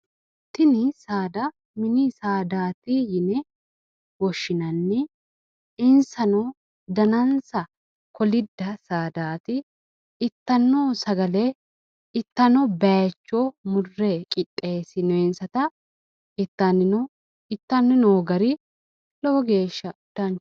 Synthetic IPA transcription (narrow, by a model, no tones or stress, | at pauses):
t̪ɪnɪsaːd̪ɐ | mɪnisaːd̪aːt̪ijɪnɛ | wɔʃːɪnɐnːɛ | ɪnsɐno | d̪ɐnɐnsɐ | kʰɔlɪd̪ːɐsaːd̪aːt̪ɪː | t̪ːɐnːoːsɐɡɐleː | ɪt̪ːɐnobɐt͡ʃːoːmʊrːekʼɪtʼːe̞ːsɪnɔɪnsɐt̪ɐ | ɪt̪ːɐnːɪno | ɪt̪ːɐnːɪnoːɡɐɾɪ | lɔwɔɡe̞ːʃːɐʊd̪ɐnt͡ʃ